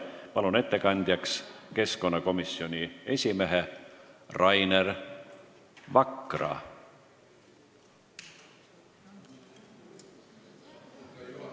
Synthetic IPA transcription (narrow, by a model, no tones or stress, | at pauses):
pɑlune̞t̪ːe̞kɑnʲd̪̥jɑkske̞sko̞nːɑko̞misːio̞nʲie̞sʲime̞ɦe | rɑjner | vɑkˑːrɑ̰